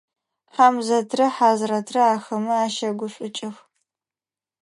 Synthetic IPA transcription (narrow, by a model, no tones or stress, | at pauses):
ħaːmzɐtʰrɐħaːzrɐtʰrɐaːxɐmɨaːʃɐɡʷʊɕʷʼʊt͡ʃʼɪx